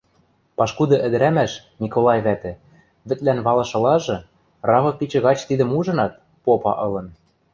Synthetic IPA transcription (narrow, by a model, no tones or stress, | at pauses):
pɑʃkud̪ɤ̆ʔɘ̆d̪ɘ̆ɾæmæʃ | mʲikolˠɑjβæt̪ɘ̆ | βɘ̆t̪lænβɑlˠɤ̆ʃɤ̆lɑʒɤ̆ | rɑβɤ̆pit͡ɕɤ̆ɣɑt͡ɕt̪id̪ɘ̆muʒɤ̆nɑt̪̚ | popɑ̰ʔɤ̆lɤ̆n